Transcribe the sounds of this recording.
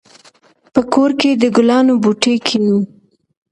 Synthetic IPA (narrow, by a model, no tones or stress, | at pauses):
pəkoɾked̪əɡʊlɑnobuʈekʰinu